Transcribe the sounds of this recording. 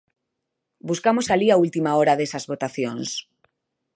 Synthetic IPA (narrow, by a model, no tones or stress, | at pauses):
buskamosaliault̪imaoɾaðesazβot̪aθjoŋs